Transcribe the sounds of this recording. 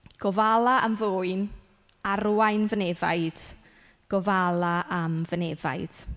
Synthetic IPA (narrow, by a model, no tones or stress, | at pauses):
ɡ̥ɔvalˠaʔamvoːɨn | aɾwajnvənɛva̰ɨd̥ | ɡ̥ɔvalˠaʔamvənɛva̰jd̥